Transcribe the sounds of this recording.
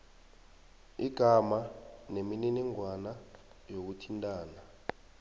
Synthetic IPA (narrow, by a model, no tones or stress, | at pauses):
iɡ̥ʱamanemininiŋwanajok̬utʰintʼaːna